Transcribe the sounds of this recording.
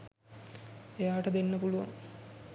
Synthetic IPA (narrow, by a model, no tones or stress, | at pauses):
ejaːʈəd̪enːəpuluʋa̰ŋ